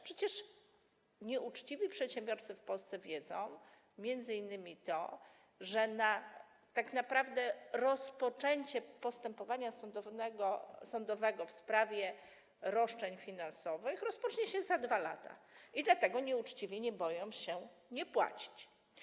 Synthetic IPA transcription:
pʂɛt͡ɕɛʂ | ɲɛʔut͡ʂt͡ɕivʲipʂɛt̪ɕɛ̃mbʲjɔɾt̪sɘfpɔlst̪sɛvʲjɛd̪zɔ̰̃w̃ | mʲjɛnd̪zɘinːɘmʲit̪ɔ̰ | ʐɛna | t̪akn̪apɾavd̪ɛɾɔspɔt͡ʂɛɲt͡ɕɛpɔst̪ɛmpɔvaɲasɔd̪ɔnɛɡɔsɔnd̪ɔvɛɡɔfspɾavʲjɛ | ɾɔʂt͡ʂɛɲfʲinansɔvɘxɾɔspɔt͡ʂɲɛɕɛzad̪vala̰t̪a̰id̪lat̪ɛɡɔɲɛut͡ʂt͡ɕivʲjɛɲɛbɔjɔ̃w̃ɕɛɲɛpwa̰t͡ɕi̥t͡ɕ

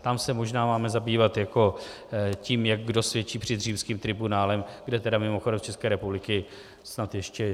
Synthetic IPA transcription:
t̪amsɛmo̞ʒnaːmaːmɛzabiːvat̪jako̞ | ciːmjak̚ɡdo̞svjɛt͡ʃiːpr̝̥ɪd̪r̝iːmskiːmt̪ɾɪbunaːlɛmɡdɛt̪ɛdamɪmoxodɛmt͡ʃɛskɛːɾɛpublɪkɪ | snat̪jɛʃcɛ

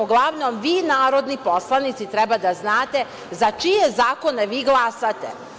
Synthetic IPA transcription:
uɡlˠaʋno̞mʋiːnaːɾo̞d̪nipo̞slˠanit̪sit̪ɾɛbad̪aznaːt̪e̞ | zat͡ʃijezaːko̞ne̞ʋiːɡlˠasat̪ḛ

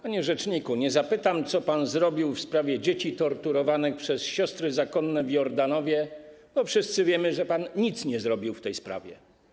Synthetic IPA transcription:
paɲɛʐɛt͡ʂɲikuɲɛzapɘt̪amt̪sɔpanzɾɔbʲiwfspɾavʲjɛd͡ʑet͡ɕit̪ɔɾt̪uɾɔvanɘxpʂɛsɕɔst̪ɾɘzakɔnːɛvjɔɾd̪anɔvʲjɛb̥ɔfʂɘst̪sɘvʲjɛmɘʐɛpanɲit̪sɲɛzɾɔbʲiwft̪ɛjspɾa̰vʲjɛ̰

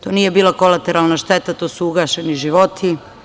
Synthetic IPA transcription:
t̪oːnije̞biːlˠako̞lat̪eɾaːlˠnaʃt̪et̪at̪oːsuuɡaːʃeniʒiʋot̪ʰi

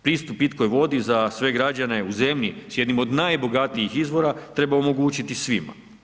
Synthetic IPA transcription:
pɾiːst̪upit̪ko̞jʋo̞d̪izasʋe̞ɡɾad͡ʒane̞uze̞mʎisjed̪nimo̞d̪najbo̞ɡat̪ijixizʋo̞ɾat̪ɾe̞baomo̞ɡuːt͡ɕit̪isʋima̰

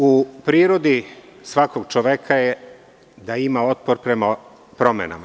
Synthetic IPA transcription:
upɾiːɾo̞d̪isʋakoɡt͡ʃoʋekʰaje | d̪aimao̞t̪̚poɾpɾema | pɾo̞mḛna̰ma

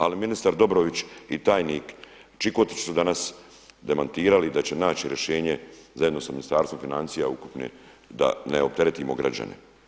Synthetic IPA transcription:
aliminist̪aɾd̪o̞bɾoʋit͡ɕit̪aːjniːk | t͡ʃikot̪i̥t͡ʃu̥sud̪anas | d̪e̞mant̪iːɾalid̪at͡ɕe̞naːt͡ɕiɾje̞ʃe̞ːɲe̞zaje̞d̪no̞saminist̪aːɾsvo̞mfinant̪sijaukupnḛd̪a̰neop̚t̪e̞ɾet̪imo̞ɡɾa̰d͡ʑa̰nḛ

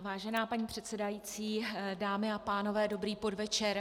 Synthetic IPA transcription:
vaːʒɛnaːpaɲiːpr̝̥ɛt̪sɛdajit͡siːdaːmɪapaːno̞vɛːdo̞bɾiːpo̞dvɛt͡ʃɛɾ

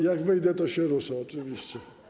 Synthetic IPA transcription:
jaɡvɘjd̪ɛt̪ɔɕɛɾɔsɔɔt͡ʂɨvʲiɕt͡ɕɛ

